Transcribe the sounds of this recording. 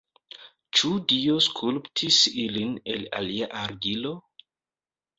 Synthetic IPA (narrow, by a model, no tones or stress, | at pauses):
t͡ʃudio̞skʰulptʰisiline̞̰la̰liaʔaɾɡilo